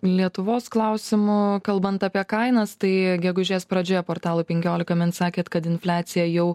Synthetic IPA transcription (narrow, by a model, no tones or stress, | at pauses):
lʲiɛt̪ʊʋoːsklˠɐʊsʲɪmʊkɐlˠbɐnt̪ɑpʲiɛkɐɪnɐst̪ɐɪɡʲɛɡʊʒʲeːspɾɐd͡ʒʲoːjɛpoːɾt̪ɑːlˠuːpʲɛŋʲkʲoːlʲɪkɐmʲɪnsɑːkʲeːt̪kɐt̪ɪnfʲlʲæːt̪sʲɪjɛjɛʊ